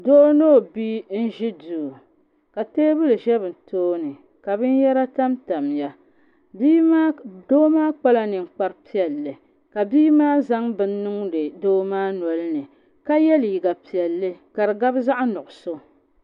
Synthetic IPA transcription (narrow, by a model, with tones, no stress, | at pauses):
doː˦noː˦˨bi˦n̩˦ʒi˦du˨ | ka˨teː˦bɨ˦lɨ˨ʒɛ˦bɨ˨n̩˨toː˦nɨ˨ | ka˨bɨ˦n˦jɛ˦ɾa˦ta˦mta˨mja˦ | biː˦ma˦doː˦maː˦k͡pa˦la˦nɨ˨ŋ̩˨k͡pa˦ɾpi˦ɛ˨lːɨ˨ | ka˨biː˦maː˦za˦ŋbɨ˨nː˦ɨ˦ŋdɨ˨doː˦maː˦nɔ˨lɨ˦nɨ˨ | ka˦jɛ˦lji˨ɡa˨pi˨ɛ˨lːɨ˦ka˨ɾɨ˨ɡa˦bza˦ʔa˦nʊ˨ʔʊ˨so˦